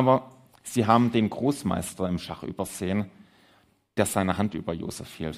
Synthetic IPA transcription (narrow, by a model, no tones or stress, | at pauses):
ʔaːbɐ | z̥iːɦaːbm̩deːnɡʁoːsma̰ɪstɐɪmʃaχʔy̰ːbɐz̥eːən | d̥eːɐz̥aɪnəɦantʔy̰ːbɐjo̰ːz̥ɛ̰fhḭːl